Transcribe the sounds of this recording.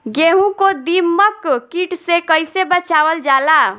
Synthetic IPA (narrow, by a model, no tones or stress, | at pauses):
ɡeɦũkod̪imːəkkiʈsekəjsebət͡ʃawəld͡ʒala